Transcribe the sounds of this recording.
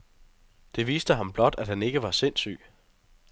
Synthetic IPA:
d̥e̝ʋḭːsd̥əɦɑ̈mb̥lɒ̽d̥æd̥hæne̝ɡ̥əʋɑ̈se̝n̰sy̰ː

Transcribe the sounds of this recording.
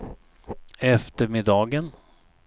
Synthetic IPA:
ɛft̪əɾmɪd̪ɑːɡən

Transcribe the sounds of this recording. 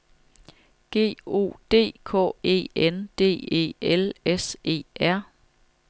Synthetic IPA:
ɡ̥e̝̰ːo̝̰ːd̥e̝̰ːkʰɔ̰ːe̝̰ːend̥e̝̰ːe̝̰ːelese̝̰ːæɐ̰

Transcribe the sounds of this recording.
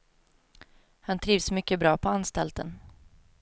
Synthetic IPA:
hant̪ʰɾiːvsmʏkːəbɾɑːpʰɔanst̪ɛlt̪ən

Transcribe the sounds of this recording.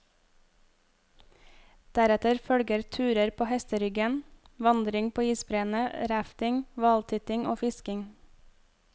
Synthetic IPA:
d̪̥æɾɛt̪əɾfœɽɡəɾt̪ʰʉːɾəɾpʰoːhɛst̪əɾʏɡən | ʋɑnd̪ɾɪŋpʰoːiːsbɾeːnəɾæft̪ɪŋʋɑːlt̪ʰʏt̪ɪŋʔo̰ːfɪskɪŋ

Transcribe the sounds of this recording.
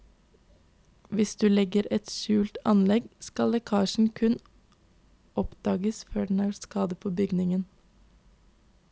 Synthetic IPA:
ʋɪsd̪ʉːlɛɡəɾɛt̪ʃʉːlt̪ɑ̰nlɛɡskɑlɛkʰɑːʃɳ̩kʰʉn | ʔɔpd̪̥ɑːɡəsføːɖɛn̩æːɾskɑːd̪əpʰoːbʏɡnɪŋən

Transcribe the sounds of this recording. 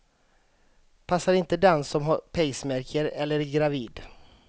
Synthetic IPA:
pʰasːaɾɪnt̪əd̪ɛnsɔmɦaɾpʰɛjsmæɾkʰəɾɛlːəɾɡɾaviːd̪

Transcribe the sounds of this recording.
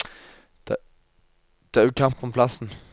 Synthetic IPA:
d̪̥ | d̪̥ɛæʉkʰɑmpɔmpʰlɑsn̩

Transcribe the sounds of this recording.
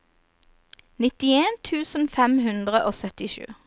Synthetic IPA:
nɪt̪ɪeːnt̪ʰʉːsn̩fɛmhʉnd̪ʁəʔoːsœt̪ɪʃʉ̰ː

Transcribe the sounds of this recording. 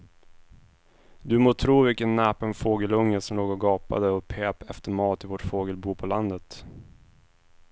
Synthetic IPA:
d̪ɵmoːt̪ʰɾuːvɪkənːɛːpənfoːɡəlɵŋːəsɔmloːɡɔɡɑːpa̰d̪əɔpʰeːpɛft̪əɾmɑːt̪ɪvoʈfoːɡəlbuːpʰɔland̪ət̪

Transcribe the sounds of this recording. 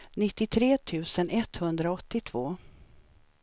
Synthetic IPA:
nɪt̪ːɪt̪ʰɾeːt̪ʰʉ̟ːsənʔɛt̪hɵnd̪ɾaɔt̪ːɪt̪ʰv̥oː

